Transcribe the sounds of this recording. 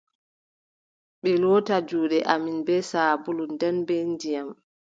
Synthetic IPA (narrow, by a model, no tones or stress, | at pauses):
ɓɛloːtad͡ʒuːɗɛʔaminbɛsaːbulundɛnbɛndijam